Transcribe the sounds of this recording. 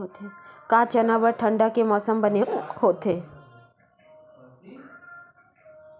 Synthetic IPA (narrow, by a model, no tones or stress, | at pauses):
ot̪ʰekãt͡ʃənabəɾʈʰəɳɖakemɔːsəmbəneɦot̪ʰe